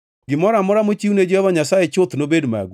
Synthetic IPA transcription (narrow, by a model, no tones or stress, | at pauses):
ɡɪmɔɾamɔɾamot͡ʃiuned͡ʒɔhɔvaɲasajet͡ʃʊt̪nobedma̰ɡ